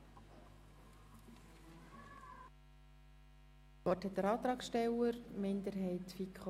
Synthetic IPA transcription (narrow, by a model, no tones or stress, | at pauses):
ɔthɛtdəɾɑːt̪ɾɑːksʃtɛwəɾmɪnd̪əɾɦɛɪt̪fikχ